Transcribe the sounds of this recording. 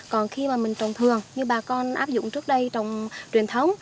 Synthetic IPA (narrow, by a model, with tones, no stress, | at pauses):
kɔ˨˩nxi˧maː˨˩mï˨˩ŋ̟t͡ɕə˨˩wŋ͡mt̪ʰɨ˨˩əŋɲɨ˧ɓaː˨˩kɔ˧nʔaː˦˥p̚zʊ̰˧˨ŋ͡mt͡ɕɨ˦˥ək̚ɗə˧jt͡ɕə˨˩wŋ͡mt͡ɕwi˨˩ənt̪ʰə˨˦wŋ͡m